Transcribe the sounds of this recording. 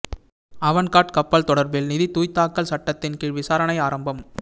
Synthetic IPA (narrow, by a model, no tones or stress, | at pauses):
ɐʋɐnkaːʈkɐpːɐlt̪ɔɽɐɾbɪlnɪðit̪uːjt̪ːaːkːɐlsɐʈːɐt̪ːɪnkɪɭʋɪsaːɾɐnɐɪaːɾɐmbɐm